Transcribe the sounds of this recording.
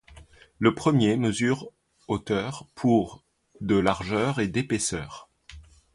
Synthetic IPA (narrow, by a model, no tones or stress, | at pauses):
ləpχəmjeməzyʁ | ot̪œʁpʰuʁ | d̪əlaʁʒœʁed̪epesœːʁ